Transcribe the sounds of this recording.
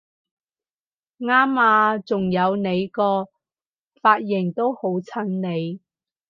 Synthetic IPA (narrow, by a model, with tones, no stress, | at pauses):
ŋaː˥maː˨˧t͡sʊ˨ŋjɐ˨˧wne˨˧jkɔː˧ | faː˧t̚jɪ˨˩ŋt̪o˥who˨˥wt͡sʰɐ˥ŋne˨˧j